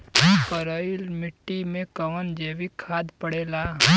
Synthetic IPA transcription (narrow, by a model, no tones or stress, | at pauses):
pəɾəɪlmɪʈːimẽkəʋənd͡ʒeːʋikʰaːd̪pəɽeːla